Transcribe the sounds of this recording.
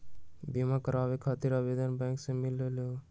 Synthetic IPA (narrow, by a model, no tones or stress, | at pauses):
bimakəɾaːʋekʰat̪iɾəbed̪ənbɛ̃ːŋksẽmɪlelo